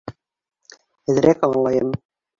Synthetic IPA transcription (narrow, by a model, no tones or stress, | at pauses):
hɘ̆ð̆ɾækɑɴlˠɑjɤm